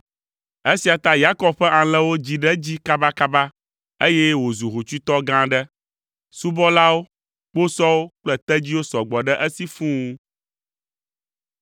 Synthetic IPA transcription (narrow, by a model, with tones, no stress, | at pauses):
e˦si˨a˨t̪a˦ja˦kɔ˦bɸɛ˦ʔã˨lɛ˦wo˦d͡ʑi˨ɖɛ˦d͡ʑi˦ka˦ba˦ka˦ba˦ | e˦jɛ˦wo˨zu˨ɦu˨t͡ʃu˦t̪ɔ˦ɡã˦ɖɛ˦ | su˦bɔ˦la˦wo˦ | k͡po˦sɔ˦wo˦k͡plɛ˦t̪ɛ˦d͡ʑi˦wo˦sɔ˨ɡ͡bɔ˨ɖɛ˦ʔɛ˦si˦fũ˦